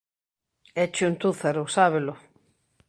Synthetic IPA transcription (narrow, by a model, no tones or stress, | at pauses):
ɛt͡ʃunt̪uθeɾʊsaβelʊ